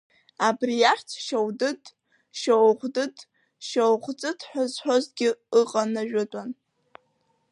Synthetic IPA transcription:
abrijaħʲt͡sʰʃawdɨtʼ | ʃowʁʷdɨtʼ | ʃowʁʷt͡sʼɨtʰħʷᶣazħʷᶣozɡʲɪɨqʼanaʒᶣʊtʷʼan

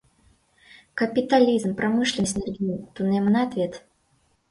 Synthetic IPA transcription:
kəpʲɪt̪ɐlʲizmpɾɐmɨʂlʲɪnəsʲnʲɛrʲɡʲint̪unɛmənaːt̪vʲet̪

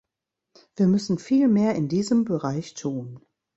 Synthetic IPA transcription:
v̥iːɐmʏsn̩fiːlmeːɐɪndiːzəmbəʁaɪçtʰuːn

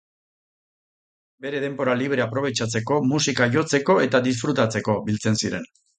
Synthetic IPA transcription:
be̞ɾe̞ð̞e̞mbo̞ɾaliβ̞ɾeapɾo̞β̞e̞t͡ʃat͡se̞ko̞musikaʝo̞t͡se̞ko̞e̞t̪aðis̬fɾut̪at͡se̞ko̞bilt͡se̞nsiɾe̞̰n

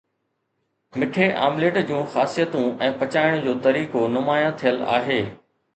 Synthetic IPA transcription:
mɪʈʰeʔa̰ːmleːʈd͡ʑũːxaːsijət̪ũɛ̃ːpɐt͡ɕaːɪəɽ̃ʊd͡ʑoːt̪ɐɾiːkonʊmaːjãt̪ʰijəla̰ːɦeː

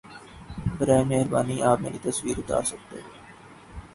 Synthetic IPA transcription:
bəɾaːemeːɦɾbaːniʔaːp̚meːɾit̪ɐsʋiːɾʊt̪a̰ːɾsɐk̚t̪eɦeː

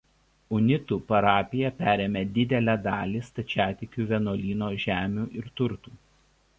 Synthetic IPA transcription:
ʊnʲɪt̪uːpɐɾɑːpʲɪjɛpʲæːɾʲemʲed̪ʲɪd̪ʲɛlʲæd̪ɑːlʲiːst̪ɐt͡ʃʲæːt̪ʲɪkʲuːʋʲɛnoːlʲiːnoːʒʲæːmʲuːʔɪɾt̪ʊɾt̪uː

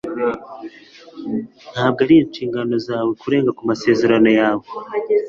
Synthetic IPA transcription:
n̥haːb̚ɡaɾiint͡ʃiːŋɡano̞zaːwe̞kuɾe̞ːŋɡakumase̞ːze̞ɾano̞jaːwe

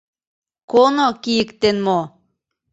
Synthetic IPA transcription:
konokijəkt̪enmo

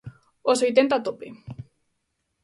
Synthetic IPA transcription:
osojt̪̬ent̪at̪opḛ

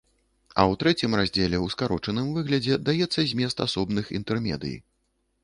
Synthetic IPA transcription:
ɐ̰wt̪ɾɛt͡sʲimrazʲd͡zʲɛlʲɛwskaɾɔt͡ʂɐnɨmvɨɣlʲɐd͡zʲɛd̪ajɛt̪sːɐzʲmʲɛst̪asɔbnɨxḭnt̪ɛrmʲɛ̰d̪ɨ̰jḭ

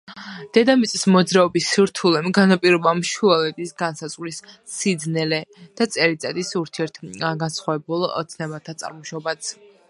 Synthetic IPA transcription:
d̪̥ɛd̪amit̪sʼismɔd̪zɾaɔbisiɾt̪ʰulɛmɡanapʼiɾɔbamʃualɛt̪ʼisɡansazʼʁwɾisː | id̪znɛlɛd̪̥at̪sʼɛɾit̪ʼad̪isuɾt̪ʰiɛɾt̪ʰɡansχwavɛbulˠɔ̰t̪sʰnɛbat̪ʰat̪sʼa̰ɾmɔʃɔbat̪s

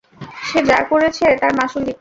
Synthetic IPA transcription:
ʃed͡ʑa̰ɾkoɾet͡ɕʰet̪aɾmaʃulik̚

